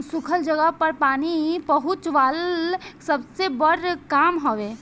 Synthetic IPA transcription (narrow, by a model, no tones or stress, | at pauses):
sukʰəld͡ʒəɡəpəɾpaːnipəɦut͡ʃʋalsəbsebəɾkaːmɦoʋe